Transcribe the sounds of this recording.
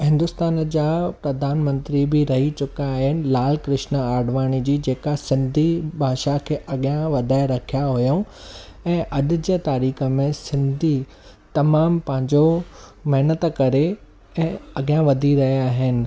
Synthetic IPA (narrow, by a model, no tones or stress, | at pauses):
ɦɪ̃nd̪ʊst̪aːnd͡ʑaːpɾɐd̪ʱaːnmə̃nt̪ɾibɪɾɐɦit͡ɕʊkaːɦɪnɪ̆laːlkɾɪʃnəaːɖʋaːɽ̃id͡ʑiːd͡ʑeːkasɪ̃nd̪ʱibʱaːʃakʰeːʔɐɠijãʋɐd̪ʱaːɪɾɐkʰijaɦujoũɛ̃ːʔɐɗ̆d͡ʑeːt̪aːɾiːxə̆mẽsɪ̃nd̪ʱi | t̪ɐmaːmpɐ̃ɦɪ̃ɲd͡ʑo | mɐɦnət̪kɐɾe | ɛ̃ːɐɠjãʋɐd̪ʱiɾɐɦijaaːɦɪnɪ̆